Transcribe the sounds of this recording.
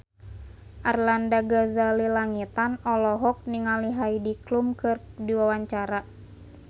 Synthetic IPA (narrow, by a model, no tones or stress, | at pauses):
ʔarlandaɡazalilaŋit̪anɔlɔɦɔk̚niŋaliɦaidiklumkɨrdiwawaɲt͡ʃaɾa